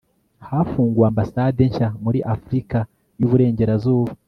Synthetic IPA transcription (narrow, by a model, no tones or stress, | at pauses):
haːfuːŋɡwaːmbasaːde̞ɲʃamuɾiʔafuɾika | juβuɾe̞ːɲɟe̞ɾazuːβa